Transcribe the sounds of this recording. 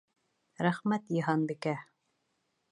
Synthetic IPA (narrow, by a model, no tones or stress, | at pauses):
ɾæχmæt̪jĭɦɑnbikæ